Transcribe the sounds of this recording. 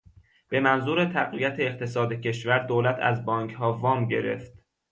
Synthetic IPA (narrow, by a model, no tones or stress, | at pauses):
b̥e̞mænzuːɾe̞t̪ʰæɣvijæt̪ʰeːq̚t̪ʰe̞sɒːd̪ecʰe̞ʃvæɾd̪oːlæt̪ʰæ̰zbɒːŋkʰɦɒːvɒːmɟe̞̰ɾe̞̰ft̪